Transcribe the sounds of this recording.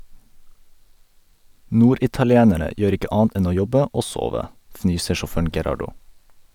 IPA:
ˈnuːɾɪtɑlɪˌeːnəɾə ˈjøːɾ ˈɪkə ˈʔɑːɑnt ˈʔɛn ˈoː ˈjɔbə ˈoː ˈsoːʋə ˈfnyːsə ʃɔˈføːɳ̩ ɡɛˈɾɑɖʊ

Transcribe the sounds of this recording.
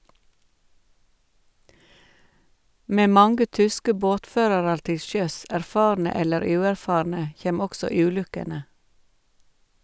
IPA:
ˈmeː ˈmɑŋɡə ˈtʏskə ˈboːtˌføːɾɑɾɑɾ ˈtɪ ˈʃœs æɾˈfɑːɾnə ˈɛləɾ ˈʉːæɾˌfɑːɾnə ˈçeːm ˈɔksɔ ˈʉːˌlʉkənə

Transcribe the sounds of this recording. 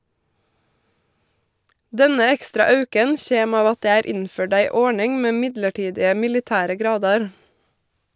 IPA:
ˈdɛnə ˈɛkstɾɑ ˈɑʉkən ˈçeːm ˈɑːʋ ˈɑt ˈdeː ˈæːɾ ˈɪnˌføːɖ ˈæɪ ˈɔɳɪŋ ˈmeː ˈmɪdləˌʈiːdɪə mɪlɪˈtæːɾə ˈɡɾɑːdɑɾ

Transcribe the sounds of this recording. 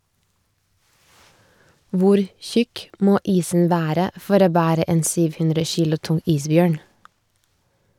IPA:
ˈʋʊɾ ˈçʉk ˈmoː ˈiːsn̩ ˈʋæːɾə ˈfɔɾ ˈoː ˈbæːɾə ˈeːn ˈsyːʋ ˈhʉndɾə ˈçiːlʊ ˈtʊŋ ˈiːsˌbjøːɳ

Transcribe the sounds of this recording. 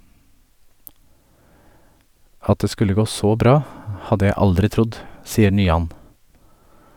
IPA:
ˈɑt ˈdeː ˈskʉlə ˈɡoː ˈsoː ˈbɾɑː ˈhɑdə ˈjæɪ ˈɑldɾɪ ˈtɾʊd ˈsiːə ɳyːˈɑn

